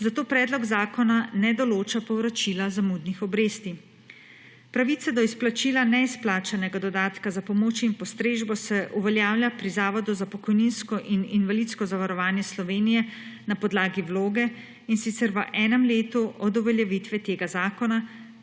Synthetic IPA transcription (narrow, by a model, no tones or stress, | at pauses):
zat̪oːpɾɛːd̪lɔɡzaːkɔnanɛd̪ɔloːt͡ʃapɔwɾɔt͡ʃilazamud̪nixɔbɾeːst̪i | pɾaʋit̪sad̪ɔisplat͡ʃilanɛisplaːt͡ʃanɛɡad̪ɔd̪aːt̪kazapɔmoːt͡ʃinpɔst̪ɾeːʒbɔsɛʔuʋɛljaːwljapɾizaːʋɔd̪uzapɔkɔjninskɔʔininʋalit̪skɔzaʋaɾɔʋaːnjɛslɔʋeːnijɛ | napɔd̪laːɡiwloːɡɛ | insit̪sɛɾʋəʔɛːnɛmleːt̪uʔɔd̪ɔʋɛljɛʋit̪ʋɛt̪eːɡazaːkɔna